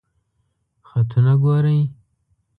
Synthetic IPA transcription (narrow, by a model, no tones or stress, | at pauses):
xat̪ʰunaɡoɾaj